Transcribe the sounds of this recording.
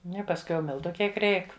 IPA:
ˈnʊ ɪ pɐsˈkʊɪ jɛʊ ˈmʲɪlˠtʊ ˈkʲiɛk ˈrʲɛɪk

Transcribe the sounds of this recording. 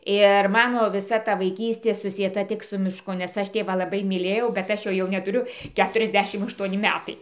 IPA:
ɪr ˈmɑːnoː ʋʲɪˈsɐ ˈtɐ ʋɐɪˈkʲiːsʲtʲeː sʊsʲiɛˈtɐ ˈtʲɪk sʊ mʲɪˈʃkʊ nʲɛs ˈɐʃ ˈtʲeːʋɑː lˠɐˈbɐɪ mʲiːˈlʲeːjɛʊ bʲɛt ˈɐʃ ˈjoː jɛʊ nʲɛtʊˈrʲʊ ˈkʲæːtʊrʲɛzʲˌdʲæːʃʲɪm ɐʃˈtuɔnʲɪ ˈmʲæːtɐɪ

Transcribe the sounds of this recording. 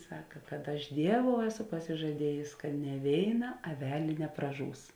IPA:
ˈsɑːkɐ kɐt ˈɐʃ ˈdʲiɛˌʋoːʊ ˈæːˌsoː pɐsʲɪʒɐˈdʲiɛjeːs kɐ nʲɛ ˈʋʲeːɪˌnɐ ɐˈʋʲæːlʲeː nʲɛprɐˈʒuːs

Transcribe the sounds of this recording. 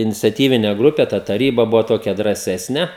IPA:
ɪnʲɪt͡sʲɛˈtʲiːʋʲɪnʲɛ ˈɡrʊpʲɛ ˈtɐ tɐˈrʲiːbɐ ˈbʊʋɐ ˈtoːkʲɛ drɑːˈsʲæːsʲnʲɛ

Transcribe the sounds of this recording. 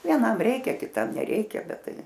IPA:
ʋʲiɛˈnɐm ˈrʲɛɪkʲɛ kʲɪˈtɐm nʲɛˈrʲɛɪkʲɛ ˈbʲɛt ˈtɐɪ

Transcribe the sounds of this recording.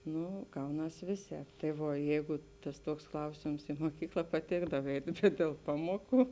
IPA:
ˈnʊ ˈɡɐʊˌnɐs ˈʋʲeːˌsʲɛːp tɐɪ ˈʋuɔ ˈjɛɪɡʊ ˈtɐs ˈtuɔks ˈklˠɐʊsʲeːms ɪ moːˈkʲiːklˠɐ pɐˈtʲeːɡdɐw ˈɛɪtʲ bʲɛt dʲeːlˠ ˈpɑːmuɔˌkuː

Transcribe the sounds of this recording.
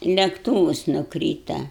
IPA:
lʲɛkˈtuːʋʊs nʊˈkrʲiːtɐ

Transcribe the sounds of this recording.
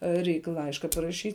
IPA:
ˈrʲɛɪk ˈlˠɐɪʃkɐ pɐrɐˈʃʲiːtʲ

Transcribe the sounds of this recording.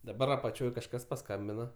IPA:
dɐˈbɐr ɐpɐˈt͡ʃʲoːj kɐʃˈkɐs pɐˈskɐmʲbʲɪnɐ

